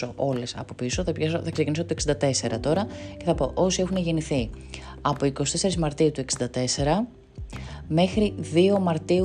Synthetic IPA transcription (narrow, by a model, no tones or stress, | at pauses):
o̞ʔo̞le̞sɐ̰po̞piso̞θɐpçɐsoθɐkse̞cinisot̪oeksind̪ɐt̪e̞seɾɐt̪o̞ɾɐce̞θɐpo̞ʔo̞sie̞xuneʝeniθi | ɐpo̞iko̞st̪e̞se̞ɾizmɐɾt̪iut̪ue̞ksind̪ɐt̪e̞se̞ɾɐ | me̞xɾiðio̞mɐɾt̪iu